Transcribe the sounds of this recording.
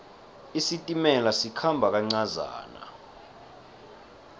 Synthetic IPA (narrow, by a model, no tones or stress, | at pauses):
isitʼimɛlasikʰambʱak̬ʼaŋ͡ǀaza̰ːna̰